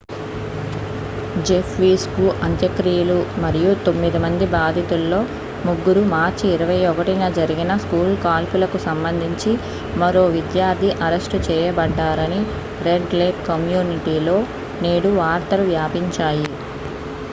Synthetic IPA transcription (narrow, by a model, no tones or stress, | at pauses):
d͡ʒepʰʋiːskuʔɐnt̪jɐkɾijɐlumɐɾijut̪o̞mːid̪imɐnd̪ibaːd̪ʱit̪ulːo̞ː | muɡːuɾumaːɾt͡ʃiːɾɐʋɐjɔkɐʈinɐd͡ʒɐɾiɡinɐskuːlkaːlpulɐkusɐmbɐnd̪ʱiɲt͡ʃi | mɐɾo̞ːʋid̪jaːɾt̪ʰiʔɐɾɐʂʈt͡ʃɛːjɐbɐɖːaːɾɐni | ɾe̞ɖleːpkɐmjuːniʈiːlo̞ː | neːɽuʋaːɾt̪ɐluʋjaːpiɲt͡ʃaːji